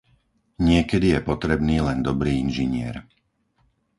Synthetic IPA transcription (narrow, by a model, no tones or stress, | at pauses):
ɲɪɛkɛd̪ijɛpɔt̪ɾɛbniːlɛnd̪ɔbɾiːinʒiɲɪɛ̰ɾ